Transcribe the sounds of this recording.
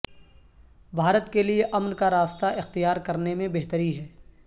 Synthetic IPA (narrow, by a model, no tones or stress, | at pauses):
bʱaːɾət̪kelieʔɐmnkaɾaːst̪aɪxt̪ijaːɾkɐɾnemẽbeɦt̪əɾiɦɛː